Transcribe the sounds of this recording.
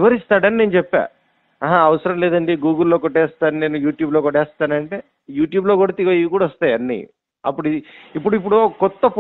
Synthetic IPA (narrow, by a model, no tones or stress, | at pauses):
ʋɐɾist̪aːɽɐnineːnut͡ʃɛpːa̰ː | ɦaɐʋɐsɐɾɐmlɛːd̪ɐɳɖiɡuːɡɐlloːkɔʈːɛːst̪aːnine̞ːnujuːʈjuːblo̞ːkɔʈɛːst̪aːnɐɳʈeː | juːʈjuːblo̞ːkuɽat̪iɡɐjiʋikuːɽaɔst̪aːjɐnːḭ | ɐ̰pːuɽiipːuɽuip̬ːuɽukɔt̪ːɐp